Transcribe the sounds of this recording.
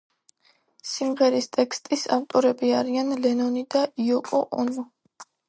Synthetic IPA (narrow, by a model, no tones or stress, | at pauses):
simʁɛɾist̪ʼɛkst̪ʼisa̰ft̪ʼɔɾɛbiaɾianlɛnɔnid̪aiɔkʼɔʔɔnɔ